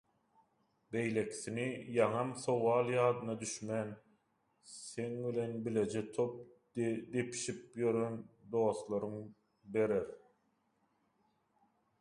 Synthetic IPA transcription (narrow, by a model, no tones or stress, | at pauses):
be̞jle̞kʰi̥θinijɑŋɑmθowɑːlˠjɑːd̪ɯnɑd̪yʃmæn | se̞ŋbile̞nbile̞d͡ʒet̪ʰo̞p̚ | d̪e̞pʰi̥ʃip̚jø̞ɾø̞nd̪o̞ːslˠɑɾɯŋ | be̞ɾeɾ